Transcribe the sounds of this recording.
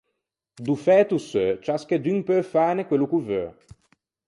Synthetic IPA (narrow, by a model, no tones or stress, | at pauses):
d̪ufɛːt̪usøt͡ʃasked̪impøfaːnekwelukuvø